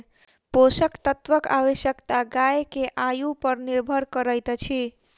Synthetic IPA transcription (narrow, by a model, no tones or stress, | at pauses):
posəkt̪ət̪ʋəka̰wəsjəkt̪aɡajkeʔajupəɾniɾbʱəɾkəɾəjt̪t͡ʃʰi